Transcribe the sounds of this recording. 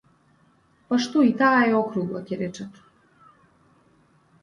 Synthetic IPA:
paʃt̪oit̪aːjeokɾuɡlˠaceɾet͡ʃat̪

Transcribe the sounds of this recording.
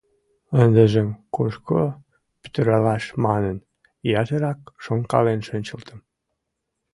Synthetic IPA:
ənd̪əʒəmkoʃko | py̥t̪əɾɑlɑʃmɑnən | jɑʒəɾɑkʃoŋkɑ̰lenʃønʲt͡ɕə̆lt̪ʰəm

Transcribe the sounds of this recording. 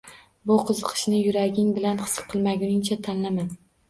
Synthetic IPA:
bʊqʰɨzɨqʰɨ̥ʃnɪjʊɾaɡʲɪŋbɪlanqɨ̥sqʰɨlˠmaɡʲʊnɪŋt͡ʃʰat̪ʰanlaman

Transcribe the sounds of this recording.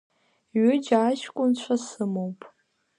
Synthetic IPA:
ɥʏd͡ʒaʃkʷʼʊnt͡ɕʷʰasɨmowpʼ

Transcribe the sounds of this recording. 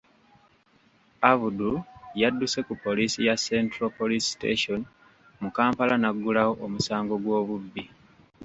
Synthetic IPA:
aβudujadːuse̞kupːo̞liːsijase̞ntɾopolistḛʃon | mukaːmpalanaɡːulawoʔomusaːŋɡo̞ɡwo̞ːβubːi

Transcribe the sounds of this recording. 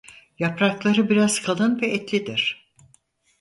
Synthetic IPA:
japɾaklˠaɾɯbiɾaz̥kʰalˠɯnvɛʔɛt̪lʲid̪iɾ̥

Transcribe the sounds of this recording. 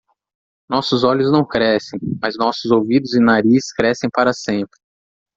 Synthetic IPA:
nɔsʊzɔʎʊznɐ̃w̃kɾɛsẽj̃mɐznɔsʊzowvid̪ʊzɪ̃naɾiskɾɛsẽj̃paɾɐsẽmpɾɪ

